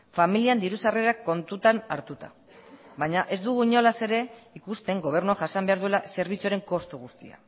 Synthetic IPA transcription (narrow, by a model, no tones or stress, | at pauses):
familiand̪iɾusareɾakːo̞nt̪ut̪ana̰ɾt̪ut̪a̰ | βajɲaʔe̞zd̪uɣuiɲo̞lase̞ɾe̞ikust̪e̞ŋɡo̞β̞e̞ɾnuaʝasambe̞aɾðue̞lase̞ɾβ̞it͡suaɾe̞ŋko̞st̪uɣust̪ia̰